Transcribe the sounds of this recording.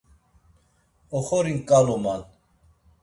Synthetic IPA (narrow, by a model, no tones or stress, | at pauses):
ɔχɔɾiŋkʼalɔman